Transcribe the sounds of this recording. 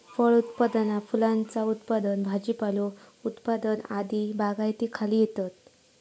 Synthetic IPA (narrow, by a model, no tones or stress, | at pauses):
fəɭut̪pad̪ənafulãnt͡saut̪pad̪ənbʱad͡ʑipalo | ut̪pad̪ənad̪ibaɡajt̪iːkʰaliːjet̪at̪